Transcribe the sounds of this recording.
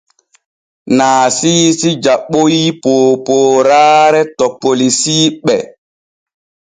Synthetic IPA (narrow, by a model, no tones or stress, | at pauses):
naːsiːsid͡ʒaɓojipoːpoːɾaːɾɛtɔpːolisiːɓɛ